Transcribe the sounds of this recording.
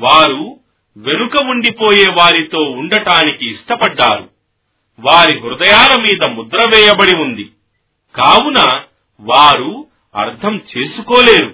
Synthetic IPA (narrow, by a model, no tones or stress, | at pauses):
ʋaːɾu | ʋe̞nukɐuɳɖipo̞ːjeːʋaːɾit̪o̞ːuɳɖɐʈaːnikiːʂʈɐpɐɖːaːɾṵ | ʋaːɾiɦuɾd̪ɐjaːlɐmiːd̪ɐmud̪ɾɐʋɛːjɐbɐɽiund̪i | kaːwunɐ | ʋaːɾu | ɐ̰ɾt̪ʰɐmt͡ʃe̞ːsukoːleːɾu